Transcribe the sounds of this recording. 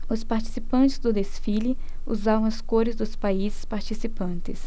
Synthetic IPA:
ʊspaɾt͡ʃi̥sipɐ̃nt͡ʃ̪ɪzd̪ʊd̪esfilɪ | ṵzavɐ̃w̃ɐskoɾɪzd̪ʊspaizɪspaɾt͡ʃisipɐ̃nt̪ɪs

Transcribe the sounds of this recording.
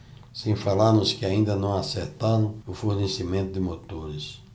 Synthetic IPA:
sẽj̃falaɾnʊskɪaĩnd̪ɐnɐ̃w̃aseɾt̪aɾɐ̃w̃ʊfuɾnesimẽnt̪ʊd̪ɪmot̪oɾɪs

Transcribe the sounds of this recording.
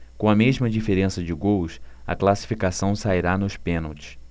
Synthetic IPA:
kõɐmeʒmɐd͡ʒifeɾẽsɐd͡ʒɪɡowsɐ̰klasi̥fikasɐ̃w̃saiɾanʊʃpẽnowt͡ʃɪ̥s

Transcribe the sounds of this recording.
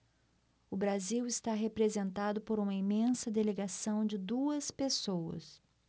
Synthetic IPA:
ʊbɾaziwɪst̪aɦepɾezẽnt̪ad̪ʊpoɾũmɐimẽsɐd̪eleɡasɐ̃w̃d͡ʒɪd̪uɐspesowɐ̰s

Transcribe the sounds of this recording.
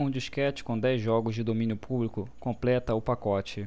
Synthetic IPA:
ũd͡ʒiʃkɛt͡ʃɪ̥kõd̪ɛjzʒɔɡʊzd͡ʒɪd̪omĩnjʊpʰublikʊkõmplɛt̪ɐʊpakɔt͡ʃɪ

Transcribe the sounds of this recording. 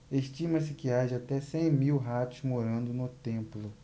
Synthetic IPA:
eʃt͡ʃĩmɐsɪkɪad͡ʒɪat̪ɛsẽj̃miwɦat̪ʊzmoɾɐ̃nd̪ʊnʊt̪ẽmplʊ

